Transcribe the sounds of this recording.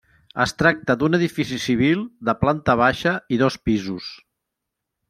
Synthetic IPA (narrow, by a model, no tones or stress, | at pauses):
ə̰st̪ɾak̚t̪əd̪unəðifisisiβ̞ilˠd̪əplant̪əβ̞aʃəiðɔspizus